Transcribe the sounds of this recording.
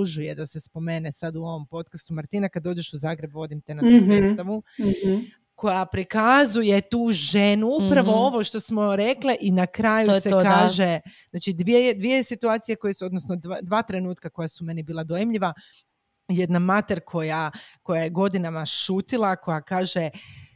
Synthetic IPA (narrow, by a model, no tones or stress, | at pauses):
uʒuje̞d̪ase̞spo̞me̞nesad̪uo̞ʋo̞mpo̞t̪̚kast̪umaɾt̪iːnakad̪o̞ːd͡ʒeʃuzaːɡɾe̞bʋo̞d̪imt̪enat̪ouɾet̪aʋu | ko̞japɾikazuje̞t̪uːʒenuuppɾaʋo̞o̞ʋo̞ʃt̪o̞smo̞ɾe̞kliʔinakɾajusekaːʒe̞znaːt͡ʃid̪ʋied̪ʋiesit̪uaːt̪sije̞ko̞jesuod̪nosnod̪ad̪ʋaːt̪ɾe̞nuːt̪kako̞jasume̞nibiːlˠad̪ojimʎiʋa | je̞d̪namat̪eɾkʰo̞jako̞jajeɡo̞d̪inamaʃuːt̪ilˠako̞jakaːʒe